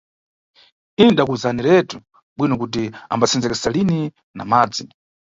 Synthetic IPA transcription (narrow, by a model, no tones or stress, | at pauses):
iniɗakuzaniɾɛtu | ɓwinɔkut̬ia̰mbat͡sʰɛnd͡zɛkɛsalini | na̰maːd͡zi